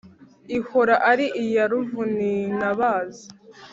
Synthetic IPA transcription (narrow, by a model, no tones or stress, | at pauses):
iho̞ɾaʔaɾiʔijaɾuvuninaβaːzi